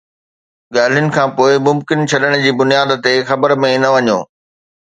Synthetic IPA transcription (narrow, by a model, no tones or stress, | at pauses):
ɠaːl̤ijʊnɪ̆kʰãːpoːɪmʊmkɪnt͡ɕʰɐɗəɽ̃d͡ʑiːbʊnijaːd̪̆t̪exɐbəɾmẽnɐʋɐɲo̰ː